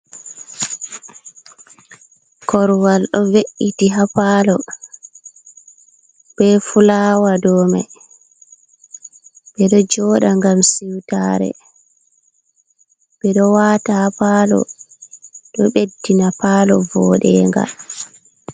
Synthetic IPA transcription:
kɔɾwalɗɔveʔːitiɦapaːlɔ | b̥ɛfulaːwadɔːmɛ̰ | ɓɛɗɔd͡ʒɔːɗaŋɡamsiwtaːɾɛ̰ | ɓɛɗɔwaːtahapalɔ̰ | ɗɔɓedːinapaːlɔ̰vɔːɗɛːŋɡa̰

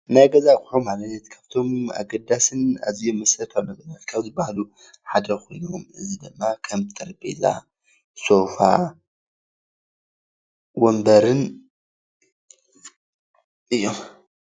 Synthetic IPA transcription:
najɡɐzakʼʊħomalɐnːɐt̪kʰaβt̪ʰo̞ma̰ɡɐd̪asɨna̰zijomːɨsɐt̪ʰɐlɐbɨnɐt̪kʰɐβzɨbahlu | ħad̪ɐxʰo̞̰jnomɨzid̪ɨmːakʰɐmt̪ʰʼɐɾbḛza̰ | so̞fa | wombɐɾɨn | ʔɨjːom

